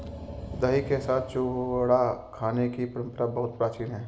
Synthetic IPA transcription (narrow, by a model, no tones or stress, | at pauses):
d̪əɦikesaːt̪ʰt͡ʃʊɽakʰaːnekipɐɾə̃mpəɾabɐɦʊt̪̚pɾaːt͡ʃiːnɦɛː